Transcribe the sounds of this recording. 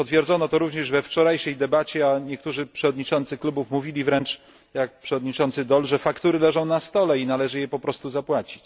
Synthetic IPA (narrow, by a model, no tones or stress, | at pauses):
pɔt̪fʲjɛɾdzɔnɔt̪ɔɾuvɲɛʐvɛft͡ʂɔɾajʂɛjd̪ɛbat͡ɕɛaɲɛk̚t̪uʐɘpʂɛvɔd̪ɲit͡ʂɔnt̪sɘklubufmuvʲilʲivɾɛnt͡ʂ | jak̚pʂɛvɔd̪ɲit͡ʂɔnt̪sɘd̪ɔlʐɛfakt̪uɾɘlɛʐɔ̃w̃nast̪ɔlɛinalɛʐɘjɛpɔpɾɔst̪uzapwat͡ɕi̥t͡ɕ